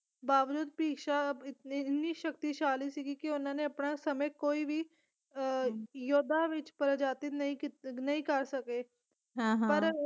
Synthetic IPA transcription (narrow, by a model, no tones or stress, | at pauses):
baːʋd͡ʒuːd̪piːkʃaɪt̪ɪniʃəkt̪iʃaːlisiɡikiʊnɦãneɐpɳasɐməkoːibʱiː | joːd̪ʱːaʋɪt͡ʃpɐɾəd͡ʒaːt̪inɐɦĩinɐɦĩkəɾsɐke | ɦãɦpɐɾ